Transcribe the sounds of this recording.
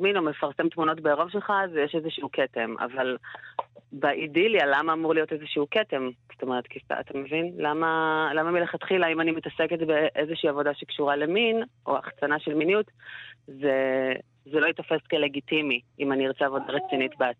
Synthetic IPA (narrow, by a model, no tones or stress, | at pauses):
mino̞me̞faʁsemt̪muno̞tbeːʁo̞vʃelχazjeʃezeʃiukʰetemʔa̰val | baʔidilalamaːmuʁlijo̞tezeʃiukete̞mz̥oto̞meʁet̪kita̰a̰t̪amevinlamalamamileχat̪χilaimanimetaseketbeʔezeʃiːavo̞daʃekʃuʁale̞minʔo̞̰a̰χt͡sanaʃelminjutze | zelo̞it̪ofeskele̞ɡitimiʔimaniʁt͡sɛavo̞daʁet͡sinitbea